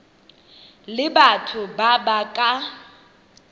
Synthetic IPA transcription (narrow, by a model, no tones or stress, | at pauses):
lɪbatʰʊbabakʼa